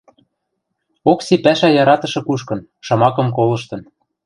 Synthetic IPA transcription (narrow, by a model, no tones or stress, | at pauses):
oksipæʃæjɑɾɑt̪ɤ̆ʃɤ̆kuʃkɤ̆n | ʃɑmɑkɤ̆mkolɤ̆ʃt̪ɤ̆n